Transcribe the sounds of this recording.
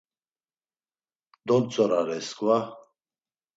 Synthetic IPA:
d̪ɔnt͡sʼɔɾaɾɛsɡva

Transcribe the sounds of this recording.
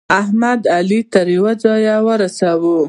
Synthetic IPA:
aɦmad̪alit̪aɾiwad͡zɑjawəɾasawu

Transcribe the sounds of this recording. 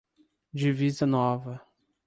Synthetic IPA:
d͡ʒivizɐnɔvɐ

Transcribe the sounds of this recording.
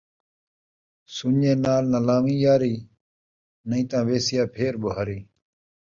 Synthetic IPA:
sunẽːnaːlnɐlaːmĩːjaːɾiː | nəĩːt̪ãːʋeːsijaːpʰeːɾboɦaːɾiː

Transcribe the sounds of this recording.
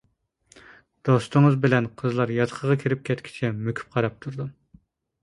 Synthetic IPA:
d̪̥ost̪ɨŋəzbɪlɛnqʰəzlˠɑɾjɑt̪qʰəʁɑkʲʰiɾɪp̚kʲʰɛt̪kʲʰi̥t͡ʃʰɛmøkʲʰy̥p̚qʰɑɾɑp̚t̪ʰuɾd̪u

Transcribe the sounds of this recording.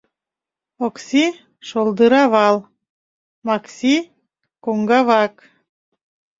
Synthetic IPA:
oksi | ʃolˠd̪əɾɑβɑl | mɑksi | koŋɡɑβɑk

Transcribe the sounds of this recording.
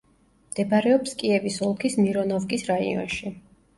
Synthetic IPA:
md̪̥ɛbaɾɛɔpskʼiɛvisɔlˠkʰismiɾɔnɔvkʼisɾaḭɔ̰nʃi

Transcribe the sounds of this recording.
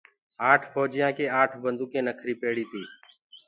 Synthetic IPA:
aːʈʰfoːd͡ʒɪjãːkeːaːʈʰbənd̪uːkẽːnəkʰɾiːpeːɽiːt̪iː

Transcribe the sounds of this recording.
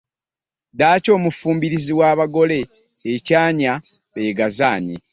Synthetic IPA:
daːco̞ːmufuːmbiɾiziwaːβaɡo̞le̞ː | caːɲa | eɡazaːɲḭ

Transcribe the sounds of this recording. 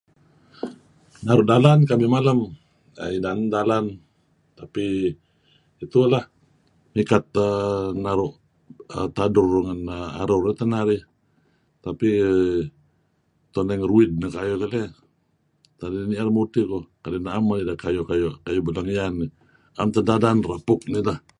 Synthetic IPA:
naɾʊʔdalankamimalam | a̰inandalan | t̪api | it̪ulah | mikat̪̚ənaɾʊʔ | ə̰t̪adʊrduŋanəa̰ɾʊret̪ənaɾi | t̪api | t̪ɔnɛŋruɪd̚nakajɔkalɛ | t̪adinialmut̪ikokalinaamanidakajɔkajoʔkajubəlaŋjani | amt̪ədadanrapʊk̚nilah

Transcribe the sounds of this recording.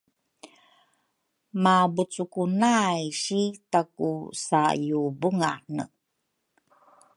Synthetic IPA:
mabut͡sukunajɕitakusajubuŋanə̰

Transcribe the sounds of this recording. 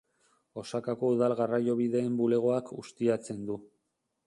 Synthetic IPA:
o̞sakako̞uðalɣarajo̞β̞iðe̞ːmbule̞ɣ̞o̞akust̪iat͡se̞nd̪u

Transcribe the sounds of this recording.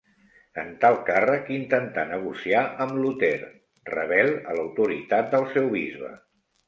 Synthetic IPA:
ənt̪alˠkarəkint̪ənt̪anəɣ̞usiaʔəmlut̪ɛɾ | rə̰β̞ɛlˠələwt̪uɾḭt̪at̪̚d̪əlˠsɛwβizβə̰

